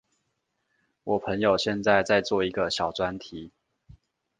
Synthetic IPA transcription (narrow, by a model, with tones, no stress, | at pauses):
wɔ˨˩pʰə˧˦ŋjo˨˩ʊɕjɛ˥˧nt͡sa˥˧ɪt͡sa˥˧ɪt͡swɔ˥˨i˧˦ɡə˨ɕjɑ˨˩ʊt͡swa˦nt̪ʰi˨˦